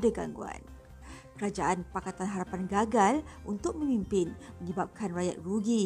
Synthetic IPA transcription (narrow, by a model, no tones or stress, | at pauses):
daɡa̰ŋɡua̰n | kəɾad͡ʒaʔanpakat̪anɦaɾapanɡaɡalʔunt̪ʊk̚mə̃mimpɪnməɲəbap̚kʰanraja̰t̪̚ruɡi